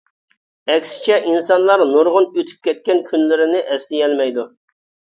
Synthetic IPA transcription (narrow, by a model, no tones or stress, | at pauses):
ɛkʲsɪ̥t͡ʃʰɛʔinsɑnlˠɑɾnoɾʁʊnøt̪ʰy̥p̚kʲʰɛt̪̚kʲɛnkʲʰynlɪɾɪnɪʔɛslɪjɛlmɛjd̪u